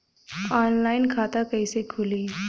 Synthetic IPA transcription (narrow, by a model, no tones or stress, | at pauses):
aːnlaːɪnkʰaːt̪akɐisekʰʊli